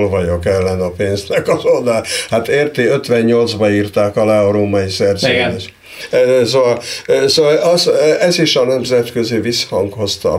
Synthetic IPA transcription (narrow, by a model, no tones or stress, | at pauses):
lvɒɟo̞kɛlːɛnɒpeːnznɛkɒzod̪ahat̪eːrt̪eːø̞t̪ʋɛɲɲo̞ld̪zbɒiːrt̪aːkɒlɛɾoːmɒisɛrzeːne | soːvɒlsoːvɒlɒsɛziʃɒnɛmzɛt̪køzivishɒŋkho̞st̪ɒ̰